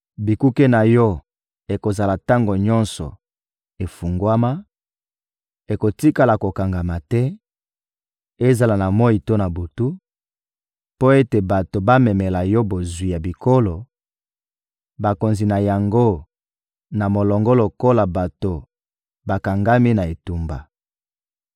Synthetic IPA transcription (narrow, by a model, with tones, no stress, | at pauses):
bi˨ku˦ke˦na˨jɔ˦ | e˨ko˨za˨la˨ta˦ŋɡo˨ɲɔ˦nsɔ̰˨ | e˨fu˨ŋɡwa˦ma˦ | e˨ko˨ti˦ka˨la˨ko˨ka˨ŋɡa˨ma˨tɛ˦ | e˦za˨la˨na˨mɔ˦i˨to˦na˨bu˨tu˦ | po˦e˦te˨ba˨to˨ba˦mɛ˨mɛ˨la˨jɔ˦bo˨zwi˨ja˨bi˨ko˦lo˨ | ba˨ko˨nzi˨na˨ja˨ŋɡo˦ | na˨mo˨lɔ˨ŋɡɔ˦lo˨ko˦la˨ba˨to˨ | ba˨ka˨ŋɡa˦mi˦na˨e˨tu˨mba̰˨